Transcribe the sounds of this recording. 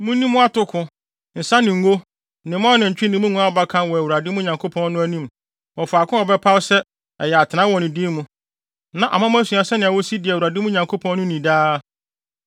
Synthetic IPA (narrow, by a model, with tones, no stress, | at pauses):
mũ˦nĩ˦mʊ̃˦a˦tʊ˦kʰʊ̃˦ | n̩˨sã˦nɪ̃˨ŋ˦ɡo˦ | nɪ̃˨˦m˦ɔ̃˦nɪ̃˨ɲ̩˨t͡ɕᶣi˦nɪ̃˨˦mũ˦ŋũ˦a˦ɔ˨ba˦kʰã˦nwɔ˨æ˨wu˨ɾa˨dɪ˦mũ˦ɲã˨ŋkʰo˦pʰɔ̃˦nnʊ̃˦æ˦nĩ˦m | wɔ˨fa˨kʰʊ̃˦ɔ˨bɛ˦pʰa˦wsɛ˦ | ɛ˨jɛ˨a˨tʰɪ˨nã˦wɔ˨nɪ̃˨dɪ˦mũ˦ | nã˨ʔa̰˨mã˦m̃˦æ˦si˨a˨sɛ˦nɪ̃˨wɔ˦si˦dɪ˨ɛ˨wu˨ɾa˨dɪ˦mũ˦ɲã˨ŋkʰo˦pʰɔ̃˦n˦nʊ̃˦nĩ˨daː˦